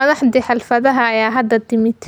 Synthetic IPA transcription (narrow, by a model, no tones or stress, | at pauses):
ɐðɑħd̪iħɑlfɐðɐɦɐːjaːɦɐd̪ɐd̪ɪmɪt̪ʰ